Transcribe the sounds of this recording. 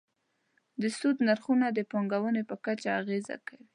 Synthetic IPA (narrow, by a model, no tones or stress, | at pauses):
d̪əsud̪naɾxunad̪əpoŋɡawənepəkat͡ʃaːɣeza̰kawi